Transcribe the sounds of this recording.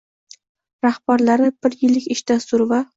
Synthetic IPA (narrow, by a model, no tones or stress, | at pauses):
ɾahbaɾlaɾɪb̥ɪɾjɪlːɪkʲɪʃd̪asʊɾva